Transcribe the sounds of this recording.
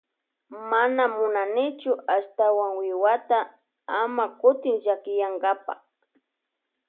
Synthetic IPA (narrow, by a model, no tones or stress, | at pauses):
manamʊnanɪt͡ʃʊast̪awaŋwɪwat̪a | amakʊt̪ɪŋʒakɪjaŋɡapa̰χ